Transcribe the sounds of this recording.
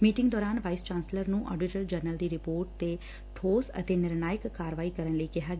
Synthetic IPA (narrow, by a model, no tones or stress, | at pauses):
miːʈɪ̃ŋɡd̪ɔːɾaːnʋaːɪst͡ʃãːnsləɾnũːʔɔ̰ːɖɪʈəɾd͡ʒəɾnəld̪iːɾɪpoːɾʈ̚t̪eː | ʈʰoːsə̰t̪eːnɪɾnaːjɪkkaːɾəʋaːiːkəɾənləiːkɪɦaːɡ